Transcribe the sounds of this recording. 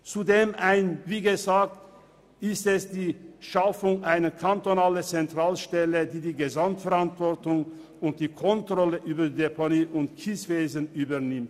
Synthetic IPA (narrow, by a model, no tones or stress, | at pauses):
t͡sudeːmaɪnviːɡəzaːk̚t | ɪstɛsd̥iːʃafʊŋʔaɪnəkʰantonaːlət͡sɛntʁ̥aːlʃtɛlədiːdiːɡəzamtfɛʁantv̥ɔɐtʊŋ | ʊnt̚d̥iːkʰɔntʁ̥ɔləʔyːbɐdidepʰoniːʔʊntkʰisv̥eːzənʔyːbɐnɪmt